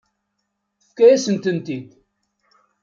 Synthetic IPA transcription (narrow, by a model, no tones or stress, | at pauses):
θəfkæjæsənt̪ənt̪id̪